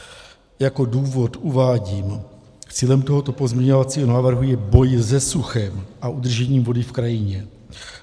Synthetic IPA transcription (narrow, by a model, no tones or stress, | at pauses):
jako̞duːvo̞t̪ʔuvaːɟiːm | t͡siːlɛmt̪oɦot̪opozmɲɛɲo̞vat͡siːɦonaːvr̩ɦujɛbo̞jzɛsuxɛmʔaʔud̪r̩ʒɛɲiːmvo̞dɪfkɾajɪɲɛ